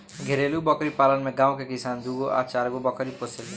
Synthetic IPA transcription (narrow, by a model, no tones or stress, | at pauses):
ɡʱeɾeːlubɔkɾipaːlənmẽɡãːõkekɪsaːnd̪uːɡoʔa̰ːt͡ʃaːɾɡobɔkɾiposɪl